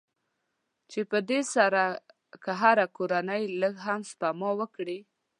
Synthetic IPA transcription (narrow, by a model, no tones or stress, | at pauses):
t͡ʃepəd̪esaɾa | kəɦaɾakoɾanəjləɡɦamspamɑwəkɽi